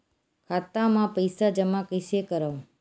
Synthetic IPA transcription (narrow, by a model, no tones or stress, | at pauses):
kʰat̪amãpəjsad͡ʒəmãkəjsekəɾaʋũ